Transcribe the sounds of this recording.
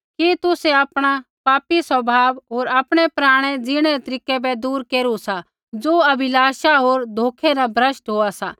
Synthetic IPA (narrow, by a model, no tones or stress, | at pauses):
kit̪ʊseaːpɽ̃apaːpisɐbʱaːʋɦoːɾaːpɽ̃ɛpɾaːɽ̃ɛd͡zɪɽ̃ɛɾɛt̪ɐɾiːkɛbɛd̪uːɾkeːɾusa | d͡zoːɐbʱɪlaːʃaɦoːɾd̪ʱoːkʰɛnabʱɾəsʈɦoːasa